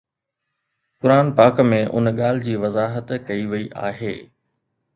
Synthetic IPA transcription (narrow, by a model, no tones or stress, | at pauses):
kʊɾaːnpaːkmẽʔʊ̰nɠaːl̤ɪd͡ʑiːʋɐzaːɦət̪kɐiʋɐiʔa̰ːɦeː